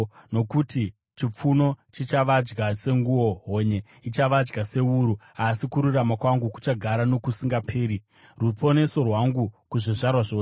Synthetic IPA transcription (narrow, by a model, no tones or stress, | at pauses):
no̞kuti | t͡ʃip͡funo̞t͡ʃit͡ʃaʋad͡ʒɡase̞ŋɡuwo̞ɦoɲe̞ | it͡ʃaʋad͡ʒɡase̞uɾuasikuɾuramakwaŋɡuku̥t͡ʃaɡʱaɾano̞kusiŋɡapʰeːɾi | rupʰo̞ne̞so̞rwaŋɡukuʐiʐarwaʐoː